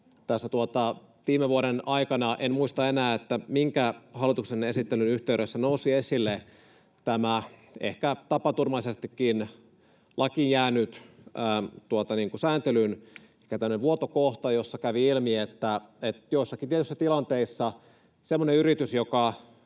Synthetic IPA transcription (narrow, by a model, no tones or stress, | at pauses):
t̪æsːæt̪uot̪ɑ | tiːmeʋuoɾenɑikɑnɑʔenmuist̪ɑenæːet̪ːæmiŋkæhɑlːˑit̪uksenesit̪ːelynyht̪eyɾøsːænousiesilːe | t̪æmæḛhkæt̪ɑpɑt̪urmɑlisest̪ikːin | lʔɑkinjæːnyt̪æːt̪uot̪ɑniːŋkusæːnt̪elyn | ikːæt̪æmːøneʋuot̪okoht̪ɑjosːɑkæʋiilmiet̪ːæet̪joisːɑkint̪iet̪ysːæt̪ilɑnt̪eisːɑ | semːoneyɾit̪ysjokɑ